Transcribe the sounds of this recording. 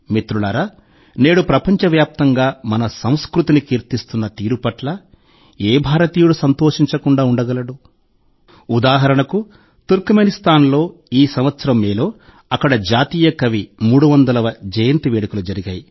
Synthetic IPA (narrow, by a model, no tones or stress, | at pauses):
mit̪ɾulɐɾɐ | ne̞ːɽupɾɐpɐɲt͡ʃɐʋjaːp̚t̪ɐŋɡaːmɐnɐsɐ̃w̃skɾut̪inikiːɾt̪ist̪unːɐt̪iːɾupɐʈlɐ | eːbʱaːɾɐt̪iːjuɽusɐnt̪oːʂiɲt͡ʃɐkuɳɖaːuɳɖɐɡɐlɐɽu | ud̪aːɦɐɾɐɳɐku | t̪uɾkmenist̪aːnlo̞ːiːsɐmʋɐt̪sɐɾɐmːeːloː | ɐkːɐɽɐd͡ʒaːt̪iːjɐkɐʋimuːɽuʋɐnd̪ɐlɐʋɐd͡ʒɐjɐnt̪iʋeːɽɐkulud͡ʒɐɾiɡaːji